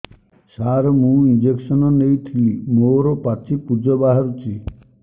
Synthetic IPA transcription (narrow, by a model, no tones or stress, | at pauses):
saɾɔmũind͡ʒeksɔnɔnejt̪ʰilimoɾɔpat͡ʃʰipud͡ʒɔbaɦaɾut͡ʃʰi